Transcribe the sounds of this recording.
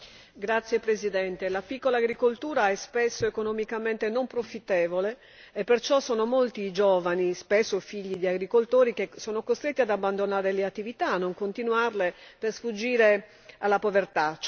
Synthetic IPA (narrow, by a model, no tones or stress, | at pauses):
ɡɾat̪sːjepɾezid̪ɛnt̪elapikːolaːɡɾikolt̪uːɾaɛspesːoekonomikament̪enompɾofit̪ːɛːvoleː | pːert͡ʃɔsːɔːnomolt̪id͡ʒɔːvanispesːofiʎːid̪iaɡɾikolt̪oːɾik̟esɔːnokost̪ɾet̪ːiad̪abːand̪onaːɾeleat̪ːivit̪anːoŋkont̪inwarlepersfud͡ʒːiːɾe | alːapovert̪at͡ʃ